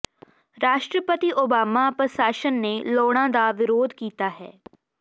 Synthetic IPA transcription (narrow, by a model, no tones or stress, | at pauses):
ɾaːʃʈɾəpət̪iːʔoːbaːmaːpəsaːʃənːeːloːɽ̃ãːd̪aːʋɪɾoːd̪kiːt̪aːɦɛ̰ː